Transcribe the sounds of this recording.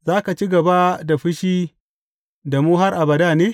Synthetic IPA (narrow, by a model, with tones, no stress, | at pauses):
zaː˦ka˨t͡ʃi˦ɡɐ˨ba˦da˨ɸɪ˦ʃiː˦ | da˨muː˦ɦa˦rʔa˨bɐ˨da˦˨neː˦